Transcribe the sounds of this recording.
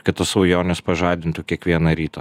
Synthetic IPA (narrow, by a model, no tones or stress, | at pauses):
kɐt̪t̪ɐsɐʊjoːnʲɛspɐʒɑːd̪ʲɪnt̪ukʲiɛkʋʲiɛnɐɾʲiːt̪ɐ